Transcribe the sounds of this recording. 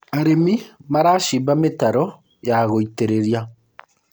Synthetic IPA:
aɾemimaɾaʃibametaɾɔ | jaɣoiteɾeɾia

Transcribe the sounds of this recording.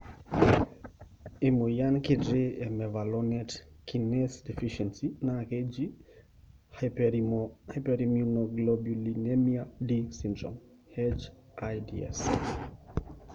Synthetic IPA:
imujankidɾeɛmɛvalɔnɛtkinɛsdɛfiʃɛnsinaked͡ʒi | h | hajpɛɾimunoɡlɔbulinɛmiadisindɾɔ̰m | hɛd͡ʒ | ʔajdḭɛ̰s

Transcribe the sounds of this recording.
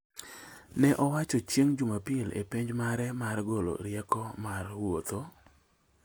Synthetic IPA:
nɛʔɔwat͡ʃɔt͡ʃjeŋd͡ʒumapɪlḛpiɲd͡ʒmaɾɛmarɡolo̰ɾjɛkɔmarwot̪o

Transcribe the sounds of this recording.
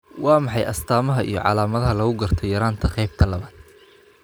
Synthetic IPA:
wɑːmɑħɑjʔɐst̪ʰaːmɐɦɐʔḭjɔ̰ʕɑ̰laːmɐðɐɦɐlɐɣʊɡɐrt̪ʰɔjɐɾaːnt̪ʰɐqɛjb̚t̪ʰɐlɐβaːd̪̥

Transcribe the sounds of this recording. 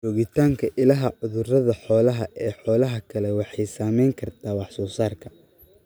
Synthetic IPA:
t͡ʃɔːɣɪt̪ʰaːŋkʰɐʔɪlɐɦɐʕʊðʊrɐðɐħɔːlɐɦɐʔɛːħɔːlɐɦɐkʰɐlɛwɑħɑjsaːmɛjŋkʰɐrt̪ʰaːwɑħsɔːsaːrkʰɐ

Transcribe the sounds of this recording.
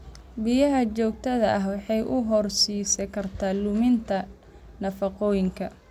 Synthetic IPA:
bijɐɦɐt͡ʃɔːk̚t̪ʰɐðɐɐɦwɑħɑjʔʊɦɔrsiːsɛkʰɐrt̪ʰaːlʊmɪnt̪ʰɐ | nɐfɐqɔːjɪŋkʰɐ

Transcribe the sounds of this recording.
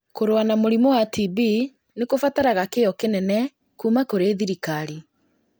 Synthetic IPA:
koɾwanamoɾimɔwatibi | nekofataɾaɣakejɔkenɛnɛ | kuːmakoɾeðiɾikaɾi

